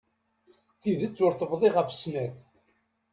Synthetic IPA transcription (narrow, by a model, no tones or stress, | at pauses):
θiðət͡sːʊɾθəbðˤiʁəfə̥snæθ